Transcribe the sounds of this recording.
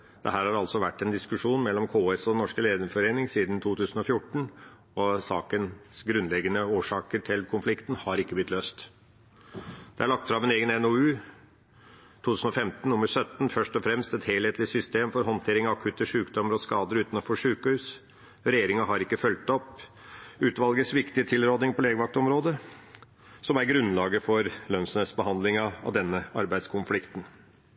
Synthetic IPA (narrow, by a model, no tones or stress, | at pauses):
d̪̥ɛ̰ɦæːɾhɑɾɑlsɔʋæʈːɛnd̪ɪskʉʂuːnmɛlːɔmkʰoːɛsɔnɔʂkəleːd̪əfɔɾeːnɪŋsiːd̪nt̪ʰuːt̪ʰʉːsn̩ɔfjʊʈːɳ̩ | ɔsɑ̰ːkənsɡɾʉnlɛɡːənəoːʂɑːkəɾʈʰɪlkʰʊnflɪkt̪n̩hɑɾɪkːəblɪt̪løːst̪ | d̪̥ɛæɭɑk̚t̪fɾɑmɛneːɡənɛnoʉː | t̪ʰuːt̪ʉːsn̩ɔfɛmt̪n̩ʊmːəɾsœt̪n̩fœʂt̪ɔfɾɛmst̪ɛt̪heːlheːt̪lɪsʏst̪eːmfɔɾɦɔnt̪ʰeːɾɪŋɑʋɑkʰʉt̪əʂʉːkd̪ɔmːəɾɔskɑːd̪əɾʉːt̪nɔfɔʂʉːkəhʉːs | ɾɛjeːɾɪŋəɦɑɾɪkːəfœlt̪ɔpː | ʉːt̪ʋɑlɡəsʋɪkt̪ɪət̪ʰɪlɾoːd̪ɪŋpʰɔleːɡəʋɑk̚t̪ɔmɾoːd̪ə | sɔmæɾɡɾʉnːlɑːɡəfɔɾlœnsənəsbəhɑnd̪lɪŋɑɑ̰ʋd̪ɛnːəɑ̰ɾbæɪskʰʊnflɪkt̪n